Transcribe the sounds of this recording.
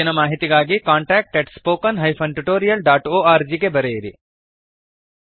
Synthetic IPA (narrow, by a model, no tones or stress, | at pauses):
inɐmaːɦit̪iɡaːɡikaːɳʈaːk̚ʈeʈspoːkɐnɦɐjpʰɐɳʈuʈoːɾijɐlɖaːʈoːaːɾd͡ʒiɡebɐɾejiɾḭ